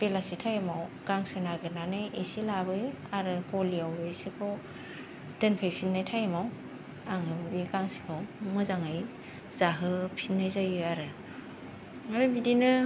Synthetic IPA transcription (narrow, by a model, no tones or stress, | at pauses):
b̥elasitʰajamawkaŋsɯnaɡɯnanɯjisilabɯaɾɯkɔliawɯsikʰɔ | d̥ɯnpʰɯjpʰinːajtʰajamaw | aŋɯikaŋsi̥kʰawmɯzaŋɯj | z̥aɦɯpʰinːajzajɯaɾɯ | ɾɯbidinɯ